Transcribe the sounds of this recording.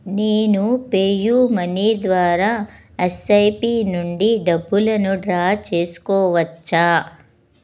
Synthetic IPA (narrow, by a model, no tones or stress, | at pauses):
neːnupeːjuːmɐnid̪ʋaːɾaː | esɐjpiːnuɳɖiɖɐbːulɐnuɖɾaːt͡ʃe̞ːsu̥kɔːʋɐt͡ʃːaː